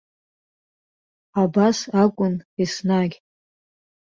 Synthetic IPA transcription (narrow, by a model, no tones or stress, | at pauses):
abasakʷʼʊnisnaɡʲ